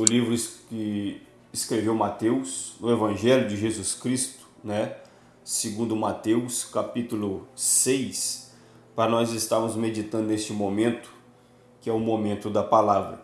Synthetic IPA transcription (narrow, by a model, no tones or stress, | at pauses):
ʊlivɾʊkɪ | ɪskɾevewmat̪ewsnʊevɐ̃ʒɛlʲjʊd͡ʒɪʒezuskɾist̪ʊ̥nɛ | sɪɡũnd̪ʊmat̪ewskapit̪ulʊsejs | pɾɐnɔzɪst̪aɾmʊzmed͡ʒit̪ɐ̃nd̪ʊnest͡ʃɪmõmẽnt̪ʊ̥ | kɪɛʊmõmẽnt̪ʊd̪ɐpalavɾɐ̰